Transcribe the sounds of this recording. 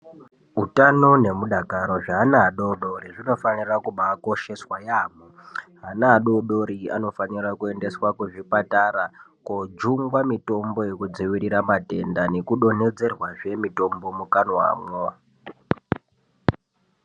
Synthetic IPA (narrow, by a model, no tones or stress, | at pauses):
utano̞ne̞muɗakaɾo̞ʐaɦanaːɗoɗo̞ɾiʐino̞fanirakuɓako̞ʃe̞swajaːmoɦanaːɗoɗo̞ɾia̰no̞fanirakue̞nde̞swakuʐipataɾakod͡ʒuŋɡwamito̞mbo̞jekud͡ziʋiɾiɾamate̞ndane̞kuɗo̞ne̞d͡ze̞rwaʐe̞mito̞mbo̞mukanwa̰mo